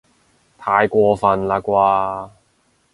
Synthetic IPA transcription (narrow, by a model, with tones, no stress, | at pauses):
t̪ʰaː˨˧jkʷɔː˧fɐ˨˧nlaː˧kʷwaː˧